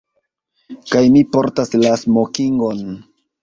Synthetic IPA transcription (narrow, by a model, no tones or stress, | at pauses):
kajmipo̞ɾtaslasmokiŋɡo̞n